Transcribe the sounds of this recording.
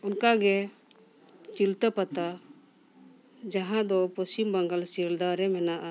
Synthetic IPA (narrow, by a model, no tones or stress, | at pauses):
unkaɡɛ | t͡ʃilt̪apat̪a | d͡ʒaɦãd̪ɔpɔst͡ʃimbaŋɡalsiɾd̪aɾɛmɛnaʔa